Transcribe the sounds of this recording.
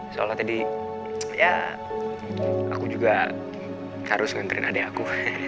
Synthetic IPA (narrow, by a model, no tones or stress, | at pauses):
soa̰lɔt̪adi | ja̰ | a̰kud͡ʒuɡa | haɾʊsŋənt̪əɾɪ̰nadaaku